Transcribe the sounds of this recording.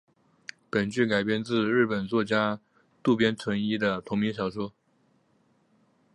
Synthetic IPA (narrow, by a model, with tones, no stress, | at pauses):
pə˨˩nt͡ɕy˥˩ka˨˩ɪpjɛ˥˧nt͡sɹ̩˥˧ɻɻ̩˥˩pə˨˩nt͡swɔ˥˩t͡ɕja˥ | t̪u˥˩pjɛ˥nt͡sʰwə˧˥ni˥d̪ə˨t̪ʰʊ˧˥ŋmi˧˥ŋɕjɑ˨˩ʊʂwɔ˥